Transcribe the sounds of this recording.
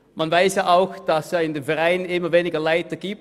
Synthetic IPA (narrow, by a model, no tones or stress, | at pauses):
manvaɪsjaːʔaʊxd̥ɑsɑːɪndemfɛʁaɪnɪməveːnɪɡɐlaɪtəɡ̥iːp̚